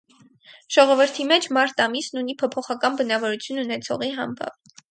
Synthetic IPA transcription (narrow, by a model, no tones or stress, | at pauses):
ʒ̥ɔʁɔvəɾt̪ʰimɛt͡ʃʰmɑɾt̪ɑmisnunipʰɔpʰɔχɑkɑnbənɑvɔɾut͡sʰjununɛt͡sʰɔ̰ʁiɦɑmbɑ̰p